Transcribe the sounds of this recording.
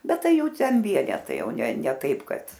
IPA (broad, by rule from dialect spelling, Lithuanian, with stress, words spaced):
ˈbʲɛt ˈtɐɪ ˈjɛʊ ˈtʲɛn ˈʋʲiɛnʲɛtɐɪ ˈjɛʊ nʲɛ nʲɛ ˈtɐɪp ˈkɐt